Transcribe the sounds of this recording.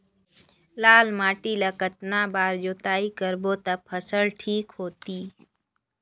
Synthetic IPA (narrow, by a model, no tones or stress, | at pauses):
laːlmaːʈilakət̪nabaːɾd͡ʒoːt̪aːikəɾboːt̪ɐpʰəsəɭʈʰiːkɦoːt̪iː